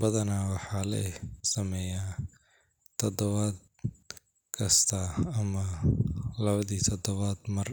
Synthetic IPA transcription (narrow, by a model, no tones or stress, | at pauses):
bɐðɐnaːwɑħɑːlɛ̰jsɐmɛjaː | t̪ʰɔd̪ɔβaːd̪̚ | kʰɐst̪ʰɐɐmɐ | lɐβɐðiːt̪ʰɔd̪ɔβaːd̪mɐr